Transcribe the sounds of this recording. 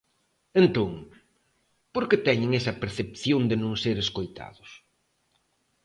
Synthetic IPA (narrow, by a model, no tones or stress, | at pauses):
ent̪oŋ | poɾkɪt̪ɛɲɪŋɛsɐpeɾθepθjond̪ɪnõŋseɾeskojt̪a̰ðʊs